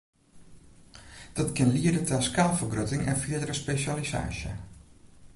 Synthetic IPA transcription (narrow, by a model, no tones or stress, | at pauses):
d̥ɔtkɪnliədətaskaːlˠfərɡrøtɪŋɛ̰nfiədərəspesaliza̰ːsjə̰